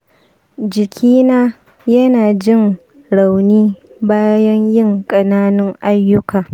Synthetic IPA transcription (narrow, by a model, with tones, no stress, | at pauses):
d͡ʒɪ˨kʲʰiː˦naː˦ | jɐ˦naː˨d͡ʒɪ˦ŋ | ɽa˨wniː˦baː˦jɐ˦ɲjɪ˦ŋkʼɐ˨naː˦nɪ˦ŋʔa˦jːʊ˦kaː˨